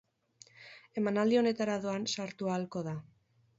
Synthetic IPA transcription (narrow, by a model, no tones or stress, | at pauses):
e̞manald̪io̞ne̞t̪aɾaðoansaɾt̪ualko̞ða